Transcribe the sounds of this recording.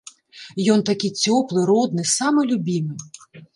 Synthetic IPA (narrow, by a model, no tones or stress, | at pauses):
jɔnt̪ɐkʲit͡sʲɔplˠɪɾɔd̪nɪsɑmɛlʲʊbʲimɪ